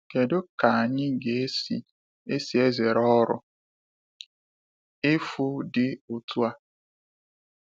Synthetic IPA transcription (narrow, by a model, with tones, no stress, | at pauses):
ke˨dʊ˦ka˨a˨ɲɪ˦ɡe˨˦sḭ˦ | e˦si˨e˦ze˨ɾɔ˦ɾʊ̰˦ | ɪ˦fu˦dɪ˦o˨tu˦a˦